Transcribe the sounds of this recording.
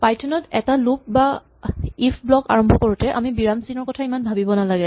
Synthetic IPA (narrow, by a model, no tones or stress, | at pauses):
pajtʰɔnɔtɛtalup̚ba | ipʰblɔka̰ɹɔmbʱɔkoɹutɛʔa̰mibiɹamsinɔɹkɔtʰaimanbʱabibɔnalaɡɛ